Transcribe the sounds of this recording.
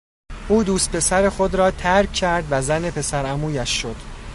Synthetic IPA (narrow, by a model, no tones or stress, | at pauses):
ʔuːd̪uːst̪̚pʰe̞sæɾe̞xod̪ɾɒːt̪ʰæɾkʰːæɾd̪væzæne̞pʰe̞sæɾæmuːjæʃːo̞d̪̥